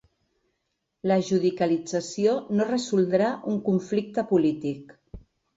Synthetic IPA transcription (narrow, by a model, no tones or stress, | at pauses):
ləʒuðikəlid͡zəsionorəzulˠd̪ɾaʔuŋkuɱflik̚t̪əpulit̪ik